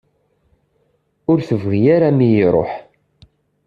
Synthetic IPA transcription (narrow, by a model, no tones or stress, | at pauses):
ʊɾθəvʁijaɾamijɾˤo̰ħ